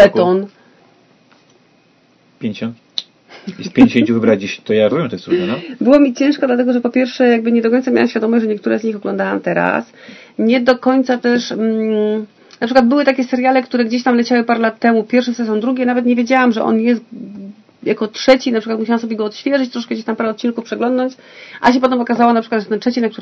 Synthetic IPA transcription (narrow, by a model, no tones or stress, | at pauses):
lɛt̪ɔn | pʲjɲd͡ʑɔn | jɛst̪pʲeɲd͡ʑeɕẽt͡ɕuvɘbɾad͡ʑiɕt̪ɔjaɾvubʲjɛmt̪ɔjɛst̪ɾunɛnɔbɘwɔmʲit͡ɕɛ̃ʂkɔd̪lat̪ɛɡɔʐɛpɔpʲjɛɾfʂɛjaɡ̚bɘɲɛd̪ɔkɔɲt̪samʲa̰wa̰mɕfʲad̪ɔmɔʑʐɛɲɛk̚t̪uɾɛzɲixɔɡlɔ̃nd̪awa̰mt̪ɛɾa̰s | ɲɛd̪ɔkɔɲt̪sat̪ɛʂ̩ | napʂɘkwad̪bɘwɘt̪akʲɛsɛɾjalɛkt̪uɾɛɡd͡ʑeɕ̬t̪amlɛt͡ɕawɘpaɾɛlat̪ːɛmupʲjɛɾfʂɔsɛs̬ʲjɔ̃wd̪ɾuɡʲɛnavɛt̪ɲevʲjed͡ʑawamʐɛ̰ʔɔ̰njɛst̪ | jakɔtʂɛt͡ɕinapʂɨkwat̪muɕ̬awamsɔbʲjɛɡɔːt̪ɕfʲjɛʐɛt͡ɕt̪ɾɔʂkɛɡd͡ʑeɕt̪ampaɾɛɔt̪̚t͡ɕinkufpʂɛɡlɔnd̪nɔɲt͡ɕ | ʔaɕ̬ɛpɔt̪ɛmɔkazawɔnapʂɨkwad̪ʐɛt̪ɛntʂɛt͡ɕinak̚t̪u